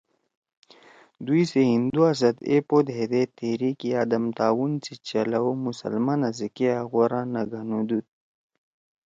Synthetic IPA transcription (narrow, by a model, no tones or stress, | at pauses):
d̪ujseɦind̪uas̬ɐd̪ḛpod̪ɦed̪et̪eɾikiad̪amt̪aːwunt͡sit͡ʃalawumusə̰lmanazikeaɣoɾãnaɡʱanud̪ut̪̚